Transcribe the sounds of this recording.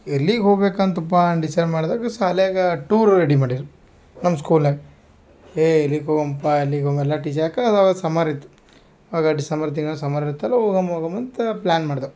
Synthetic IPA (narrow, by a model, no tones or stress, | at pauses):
elːiɡɦoːɡbeːkant̪upːaɖisɐɾmaːɽd̪aːkɐsaːlejaɡɐʈuːɾɾeɽimaːɽiɾu | nɐmːskuːlnɐɡ | eːelːikoːɡɐmpːaelːikomɛlːaʈiːt͡ʃɐakaaːɡɐsɐmaɾit̪ːu̥ | aːɡɐɖisɐmbɐɾt̪̬iŋɡɐɭɐsɐmaːɾiɾt̪ːɐlːɐoːɡɐmoːɡɐmɐnt̪ɐplaːnmaːɖd̪ɐ